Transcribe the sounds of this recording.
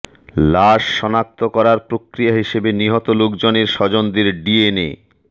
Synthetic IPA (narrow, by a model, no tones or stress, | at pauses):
laʃːɔnak̚t̪okɔɾaɾpɾokɾijaɦiʃebeniɦɔt̪olokd͡ʑoneɾʃɔd͡ʑond̪eɾɖienḛ